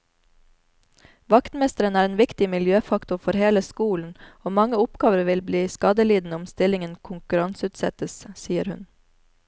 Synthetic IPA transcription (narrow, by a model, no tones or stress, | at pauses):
ʋɑkt̪mɛst̪əɾənæːɾeːnʋɪkt̪ɪmɪljøːfɑkt̪ʊɾfɔɾheːləskuːln̩oːmɑŋəʊpɡɑːʋəɾʋɪlbliːskɑd̪əliːd̪n̩əʊmst̪ɪlɪŋənkʰʊŋkʉɾɑŋsʉːt̪sɛt̪əssiːəɾhʉ̰n